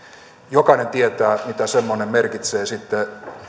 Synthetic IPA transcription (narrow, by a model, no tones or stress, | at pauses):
jokɑinent̪iet̪æːmit̪æsemːonemmerkit̪seːsit̪ːe